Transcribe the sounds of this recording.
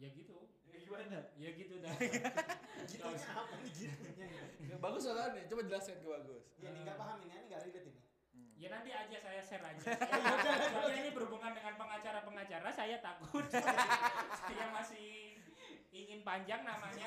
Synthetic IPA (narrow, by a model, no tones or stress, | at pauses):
jaɡit̪u | uaɲajaɡit̪uda | ɡit̪usapaniɡit̪u | baɡʊsalaanjat͡ʃomad͡ʒəlasaankəbaɡʊsjaniŋɡapaɦaminaniŋɡaiɾit̪ina | janant̪iad͡ʒasajasɛɾad͡ʒa | sad͡ʒainibəɾubuŋandəŋanpəŋat͡ʃaɾapəŋat͡ʃaɾasajat̪akʊt̪̚ | sajamasɪh | iŋɪnpaɲd͡ʒaŋnamaɲa